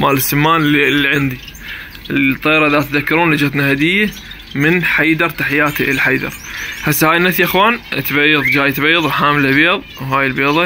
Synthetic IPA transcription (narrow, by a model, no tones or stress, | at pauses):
maːlɪsːɪmːaːnlilːiʕɪnd̪i | lt̪ˤːeːɾˤɑʔðat̪ðakːɑɾuːnlɪd͡ʒat̪nahad̪ɪjːa | mɪnħajd̪ɑɾˤt̪aħjaːt̪iʔɪlħajd̪ɑ̰ɾˤħasːahaːjɪnːaθjʔaxwaːnt̪bajːɨðˤd͡ʒaːjt̪beːðˤwħaːmlabeːðˤwɦaːjɪlbeːðˤɑ